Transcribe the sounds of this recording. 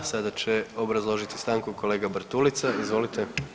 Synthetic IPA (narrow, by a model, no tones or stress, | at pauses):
sad̪at͡ɕe̞o̞bɾazlˠo̞ʒit̪i̥st̪aːŋkuko̞leːɡabɾ̩t̪ulit̪saizʋo̞lit̪e